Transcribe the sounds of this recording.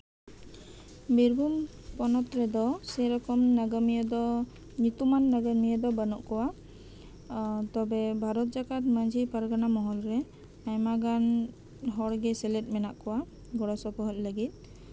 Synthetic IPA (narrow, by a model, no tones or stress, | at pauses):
biɾbʱum | pɔnɔt̪ɾɛd̪ɔsɛɾɔkɔmnaɡəmijəd̪ɔ | ɲut̪umanːaɡəmijəd̪ɔbənɔʔkɔwa | t̪ɔbɛbʱaɾɔt̪̚d͡ʒakat̪̚məɲd͡ʒipaɾɡanamɔɦɔlɾɛ | ajmaɡan | ɦɔɽɡɛsɛlɛt̚ˀmɛnaʔkɔwa | ɡɔɽɔsɔpɔɦɔc̚ləɡit̪̚ˀ